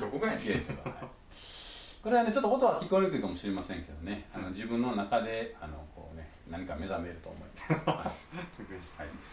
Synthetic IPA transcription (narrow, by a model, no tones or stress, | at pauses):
d̪okoɡaɡesoɡa̰a̰i | ko̞ɾe̞β̞ane̞t͡ɕot̪ːokot̪̬o̞akʲikoɾʲokɯikamo̞ɕiɾe̞masẽŋke̞d̪o̞ne̞anod͡ʑibɯ̟̃nːo̞nakad̪e̞ano̞̰kʰo̞̰ːne̞ | naɲ̟ikame̞zame̞ɾɯ̟t̪o̞̰ːmo̞̰imasaioshai